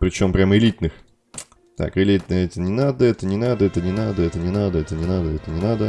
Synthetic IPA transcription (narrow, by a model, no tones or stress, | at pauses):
pɾʲɪt͡ɕo̞mpɾʲaməɪlʲit̪nɨx | t̪a̰kɪlʲit̪nəjəɛt̪ənʲɪnad̪əɛt̪ənʲɪnad̪əɛt̪ənʲɪnad̪əɛt̪ənʲɪnad̪əɛt̪ənʲɪnad̪əɛt̪ənʲɪnad̪ə